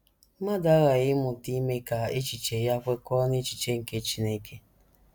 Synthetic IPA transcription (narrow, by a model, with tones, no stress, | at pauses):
ma˦da˦ɣa˨ɣɪ˦mʊ˨ti˦me˦ka˨e˦t͡ʃi˨t͡ʃe˨ja˦kʷe˦kɔ˦ne˦t͡ʃi˨t͡ʃe˦ŋ̩˨ke˦t͡ʃi˨ne˦ke˦